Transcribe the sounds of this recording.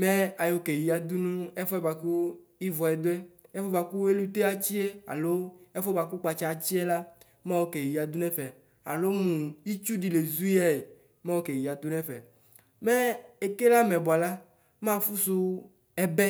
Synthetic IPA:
mɛ̃˦a˨jo˨ke˨ji˨a˨d̪u˦nũ˦e˦fɔ˦ɛ˦ba˨ku˦ | i˦vɔ˨ɛ˨d̪o˦ɛ˦ | ɛ˦fɔ˦ba˨ku˦e˦lu˦t̪e˦a˨t͡ɕi˦e˦a̰˨lo˦e˦fɔ˦ba˨ku˦k͡pa˨t͡ʃa˦˨t͡ɕi˦ɛ˦la˦ | mã˦wo˦ke˨ji˨a˨d̪u˦nɛ̃˦fɛ˨ | a̰˨lo˦mũ˨i˦t͡ʃu˦ɖi˨le˨zu˦ja˦e˨ | mã˦wo˦ke˨ji˨a˨d̪u˦nɛ̃˦fɛ̰˨ | mɛ˦e˨ke˦la˦mɛ̃˨bɔ˨a˨la˦ | mã˦fu˦su˦ | ɛ˦bɛ˦

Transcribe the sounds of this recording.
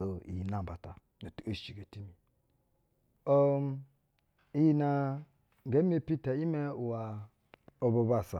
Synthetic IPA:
o˨ḭ˨ji˨na˨ba˨ta˨ | no˨tu˨o˦˨t͡ʃi˨ɡe˨ti˦mi˨ | o˦ | i˦ji˦na˨ | ŋɡe˨˦m˦e˦pi˦ta˨i˦me˦u˨wa˨ | o˨bo˨ba˨sa˨

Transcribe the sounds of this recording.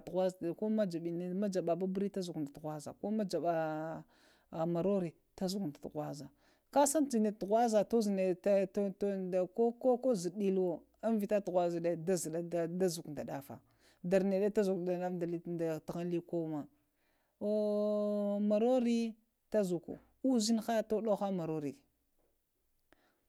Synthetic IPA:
tɣʷa˦za˨ko˦ma˦d͡ʒa˨ɓi˨n˦ma˦d͡ʒa˨ɓa˨ba˦bɾi˦ta˦zu˨knda˨tɣʷa˦za̰˨ko˦ma˦d͡ʒa˨ɓa˨ | ma˨ɾo˦ɾi˨ | ta˦zu˨knda˨tɣwa˦za˨ | ka˦sa˦nd͡ʒi˨ne˨tɣwa˦za˨to˦zne˨˦tda˨ko˦ko˦ko˦zi˨ɗi˦lwo˦ | a˦nvi˨ta˦tɣʷa˦za˨da˦da˦za˨˦da˦zu˨knda˨ɗa˨fa̰˨ | da˨ɾne˨ɗe˦ta˦zu˨kda˨na˦fda˨lda˨tɣa˦n˦li˦ko˦ma˨ | o˦ | ma˨ɾo˦ɾi˦ | ta˦zu˨kṵ˨ | u˦zi˦n˦xa˦to˦ɗo˦xa˦ma˨ɾo˦ɾi˨

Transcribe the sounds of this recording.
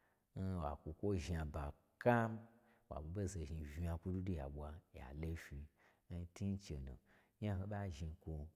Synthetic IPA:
n̩˦wa˨kʷu˨˧kʷo˦ʒa˨ba˨ | ka˦m | wa̰˨ɓu˨ɓe˦ze˨ʒi˧vi˨˧a˧ku˦du˦du˦ja̰˨ɓʷa˧ja̰˨le˧fi˧ | n̩˦ti˦n̩˦t͡ʃḛ˨no̰˨ | ɲa˦ɦõ˧ɓa˦ʒi˧˨kʷo˧

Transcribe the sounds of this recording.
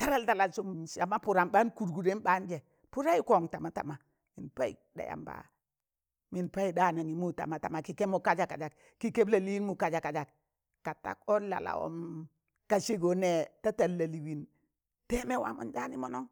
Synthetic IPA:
ta˦ɾa˦lta˨la˨su˨msa˨ma˦pu˨ɾa˨mba˦nku˨ɾɡu˨ɾe˦nba˦nd͡ʒe˨ | pu˦ɾa˦i˦ko˨ŋta˨ma˦ta̰˨ma˨ | mi˨npa˦ḭ˨da̰˨ja̰˨mba̰˨ | mi˨npa˦i˦da˦˨na˨ŋi˨mu˦ta̰˨ma˨ta˨ma˨ki˨ke˦mu˦˨ka˦d͡ʒa˨ka˨d͡ʒa˨k | ki˨ke˦bla˨li˦i˦nmu˨ka˨d͡ʒa˨ka˨d͡ʒa˨k | ka˨ta̰˦ko˦la̰˨la̰˨o̰˦m | ka˨ʃe˦ɡo˨ne˦ta˦ta˨lːa˨li˨wi˨n | te˦me˦wa̰˨˦mṵ˦nd͡ʒa˦ni˦mo˦no˦ŋ

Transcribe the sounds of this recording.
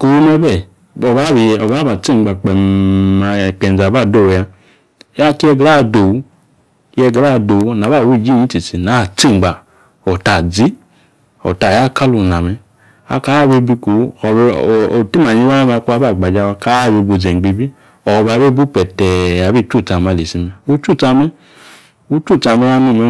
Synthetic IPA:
ku˨wu˦mɛ˧bɛ˦˨ | ɔ˨βa˦˨ɔ˨βa˨˦ba˨t͡si˦˨ɡ͡ba˨k͡pɛ˨ma˨k͡pɛ˨n˨a˨ba˦˨do˦˨ja˧˦ | a˦ki˦ɛ˧ɡɾa˦˨do˨u˨˦ | jɛ˧ɡɾa˦˨do˨˦na˨βa˦˨wi˦˨d͡ʒi˦˨ɲi˨˦ti˨si˨na˨˦˨t͡si˦˨ŋ͡mɡ͡ba˨ | ɔ˨ta˨d͡zi˦ | ɔ̰˨ta˨ja˦˨ka˦lu˧˨na˨mɛ˨ | a̰˧ka˦be˧bi˧ku˨˦ɔ˨˧˨o˨ti˦m˨a˨ɲi˧˦wa˦ma˧ku˦a˧˦ba˦˨ɡ͡ba˨d͡ʒa˧wa˧ka˦˨be˧˨bu˧˨d͡zɛ˨ɡ͡be˧bi˦ | ɔ˨˧ba˨˦be˦bu˦pɛ˨tɛ˨ja˨be˦˨˦t͡ʃu˦˨ta˧˨ma˨˧˨le˨si˧mɛ˧u˦t͡ʃu˦˨t͡sa˧mɛ˦ | u˧˦t͡ʃu˦˨t͡sa˧mɛ˧˦a˧nu˨˧˨mɛ˨˧

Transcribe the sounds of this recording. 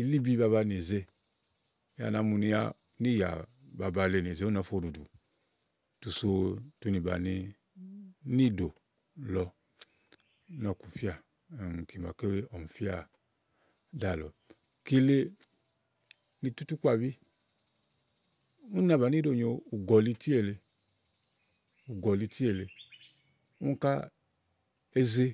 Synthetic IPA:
i˨li˦bi˦ba˧βa˧n˨e˨ze˧˦ | ja̰˨na˨˦mu˧ni˧˦a̰˦ | ni˦˨ja̰˨ba˨ba˨le˧˨n˨e˨ze˨˦u˦a˨˦fo˦˨do˨du˨ | tu˨so˧tu˦ni˨ba̰˨ni˧˦ | ni˦do˨ | lɔ˧˦ | nɔ˨ku˨fi˦a˨ | ŋ˨ki˨ma˨ke˦we˦ɔ˨m̩˨fi˦a˦˨ | da˦˨lɔ̰˨ | ki˧le˧ | ni˧tu˦tu˦k͡pa˦˨βi˦ | ũ˦na˨ba˨ni˦o˨ɲo˧u˨ɡɔ˨li˧ti˦e˦˧˨le˧ | u˨ɡɔ˨li˧ti˦e˦˨le˧ | u˦ka˦ | e˦ze˧

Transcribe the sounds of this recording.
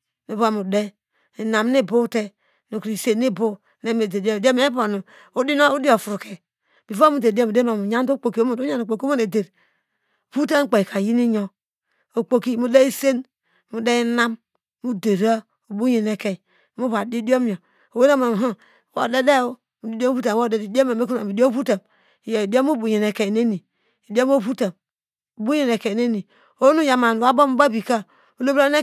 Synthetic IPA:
ni˨va˦˨mu˨de˦ | i˨na˨m˦ni˦˨bo˦te˦ | nu˨kɾi˨se˨nːi˦bo˦ | ne˦me˨de˨dde˦m˦e˦bo˨nu˨ | u˦di˦no˦u˦di˦o˨fu˨ɾu˨ke˨ | bi˨va˦mu˦de˨de˦˨mu˨de˦ma˨mu˨ɲa˦ndo˦k͡po˨ki˨˦o˦mo˨du˦ɲa˦˨no˨k͡po˨ki˦mo˦ne˨de˨ɾ | bu˦t̬a˦ŋ̩˦k͡pe˨kʰa˨ji˦ni˦ɲo˨ | o˨k͡po˨ki˦mu˦de˦i˦se˦n | mu˨de˦i˦na˦m | mu˦de˨ɾa˦ | o˨bu˦ɲe˨ne˨ke˨ | mu˦βa˨di˦di˦o˦m˦˨o˨ | o˨we˦na˦ma˨m˨ɦu˦˨ | wo̰˨de˦de˦o˦ | mu˨di˦do˦u˦ta˨o˦˨de˨ddo˦ma˨me˦ku˦a˨i˨di˦o˦fu˦ta˨m˨ | ja˨i˨do˦mu˦bu˨ɲe˨ne˨ke˨ne˦ni˨ | i˨di˦o˦m˦o˦˨βu˦ta˨m | o˨bu˦je˨ne˨ke˨ne˦ni˨ | o˦nu˦ja˨ma˨n˨wa˦bo˦m˦ba˦˨bi˨ka˦ | o˨lo˦ba˦ne˦

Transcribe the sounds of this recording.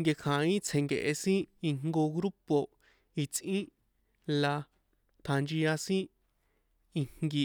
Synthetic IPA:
ŋɡe˧kʰã˨ĩ˦t͡sʰẽ˨ŋɡḛ˨ʔe˧sĩ˦i˧ŋ̥ɡo˧ɣɾu˦po˧ | i˨t͡sʔĩ˦ | la˧ | t̪ʰa˧nd͡ʒi˧ja˧sĩ˦ | i˧ŋ̥ɡi˧

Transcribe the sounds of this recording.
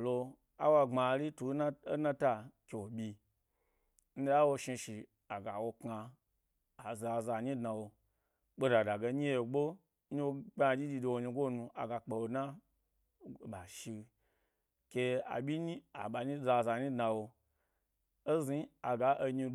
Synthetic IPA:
lo˧ | a̰˦wa˧ŋ͡ma˧˨˦ɾi˦tu˨˦na˦e˦na˦ta˧kʲe˨bʲi˧ | n̩˦a˦wo˧ʃi˧ʃi˨ | a˨ɡa˨wo˧kaː˧˨ | za˨za˨ɲĩ˦dna˧wo˧ | k͡po˦da˨da˨ɡe˧˦ɲi˦e˨ɡ͡bo˦ | ɲi˦wo˧ɡ͡ba˧˨d͡ʒʲi˦d͡ʒʲi˧do˧wo˧ɲi˧ɡo˦nũ˧a̰˨ɡa˧k͡pe˨wo˧na˦˨ | ɓa˨ʃi˧ | kʲe˧a̰˨ɓʲi˦ɲi˦a˨ɓa˨ɲi˦za˧˨za˧ɲĩ˦dna˧wo˧ | o˦zi˦a˨ɡa˨˦ʔo˧ɲi˧

